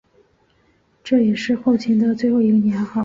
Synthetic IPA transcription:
ʈ͡ʂɤ˥˩jɛ˨˩ʂɻ̩˥˧xo˥˩ʊt͡ɕʰi˧˥nd̪ə˧t͡swe˥˧ɪxo˥˩ʊi˧˥ɡə˧njɛ˧˥nxɑ˨˩˦

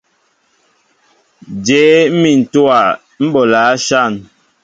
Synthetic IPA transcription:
d͡ʒeː˨˦mi˨n̩˨tu˦a˨ | m̩˦bɔ˨laː˨˦ʃa˦˨n

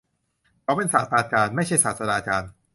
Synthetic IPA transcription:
kʰɔː˨˦˥pe˧nsaː˨˩t̪̚aː˧kaː˧nma˥˩jt͡ɕʰa˥˩jsaː˨˩t̪̚sa˧naː˧kaː˧n

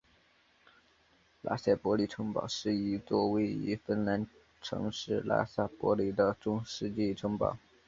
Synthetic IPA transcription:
la̰˥ɕa˥˩pwɔ˧˥li˨˩ʈ͡ʂʰɤ˧˥ŋpɑ̰˨˩ʊʂɻ̩˥˩i˧˨˩t͡swɔ˥˧we˥˩ɪy̰˧˥fə˥nla˧˥n | ʈ͡ʂʰɤ̰˧˥ŋʂɻ̩˥˩la̰˥sa˥˩pwɔ̰˧˥li˨˩d̪ə˧˦ʈ͡ʂʊ˥ŋʂɻ̩˥˧t͡ɕi˥˩ʈ͡ʂʰɤ˧˥ŋpɑ̰˨˩˦ʊ

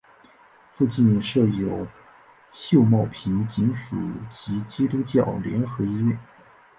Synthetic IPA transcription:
fu˥˧t͡ɕi˥˧nʂɤ˥˩jo˨˩ʊ | ɕjo˥˧ʊmɑ˥˩ʊpʰi˧˥nt͡ɕi˧˥nʂṵ˨˩t͡ɕi˧˥t͡ɕi˥t̪u˥t͡ɕjɑ˥˩ʊljɛ˧˥nxɤ˧˥i˥ɥɛ˥˩n

